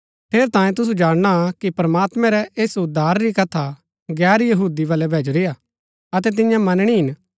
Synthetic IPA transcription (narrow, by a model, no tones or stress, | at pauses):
pʰeːɾt̪ãːjẽt̪ʊsud͡ʒaːɽ̃ɽ̃akipɾɐmaːt̪mɛ̃ɾɛʔeːsʊd̪aːɾɾikɐt̪ʰa | ɡɛːɾjɐɦuːd̪iʋɐlɛbʱeːd͡ʒɾɪja | ɐt̪̬ɛt̪ɪ̃jãmɐnɽ̃iɦɪn